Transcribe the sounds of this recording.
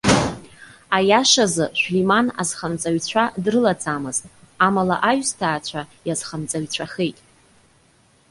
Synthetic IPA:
ajaʂazɨʃʷᶣlimana̰zχamt͡sʼaɥt͡ɕʷʰadrɨlat͡sʼamɨztʼ | amala̰ʔaɥstʰaːt͡ɕʷʰajazχamt͡sʼaɥt͡ɕʷʰaχejtʼ

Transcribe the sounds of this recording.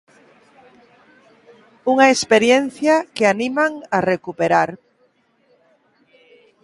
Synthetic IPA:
uŋaespeɾjen̟θjakeanimaŋarekupeɾaɾ

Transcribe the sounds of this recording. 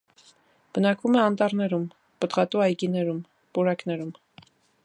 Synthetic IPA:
b̥ənɑkvumɛɑnt̪ɑrnɛɾum | pət̪ʁɑt̪uɑjkinɛɾum | puɾɑknɛɾum

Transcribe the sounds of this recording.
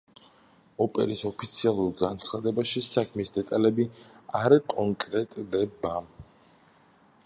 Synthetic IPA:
ɔpʼɛ̰ɾisɔpʰit̪sʰialˠuɾɡant̪sʰχad̪ɛbaʃisakʰmisd̪ɛt̪ʼalɛbiaɾakʼɔŋkʼɾɛt̪ʼd̪ɛba

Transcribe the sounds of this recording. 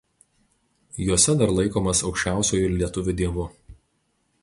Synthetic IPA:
juɔsʲɛd̪ɐɾlˠɐɪkoːmɐsɒʊkʃʲt͡ʃʲæˑʊsʲuːjʊɪɾlʲiɛt̪ʊʋʲʊd̪ʲiɛʋʊ

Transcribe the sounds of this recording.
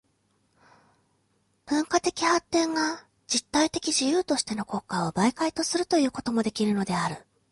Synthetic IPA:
b̥ɯ̟̃ŋkat̪e̞kʲihat̪ːẽ̞ŋɡa | d͡ʑit̪ːait̪e̞kʲiʑijɯ̟ːt̪o̞ɕi̥t̪e̞no̞ko̞ːkːaobaikait̪o̞sɨɾɯ̟t̪o̞jɯ̟ːko̞t̪o̞mo̞d̪e̞kʲiɾɯ̟no̞d̪e̞aɾɯ̟

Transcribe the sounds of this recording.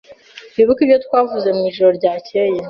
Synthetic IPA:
βiβukiβjo̞twaːvuze̞mŋiːʒoɾo̞ɾɟaːceje

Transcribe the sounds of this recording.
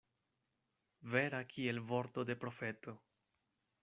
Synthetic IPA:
ve̞ɾakʰie̞lvo̞ɾto̞de̞pɾo̞fe̞to̞

